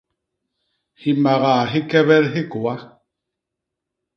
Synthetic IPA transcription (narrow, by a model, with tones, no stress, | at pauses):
hi˨ma˨ɣa˨ɦi˦kɛ˦βɛ˦ɾɦi˦ku˨a˦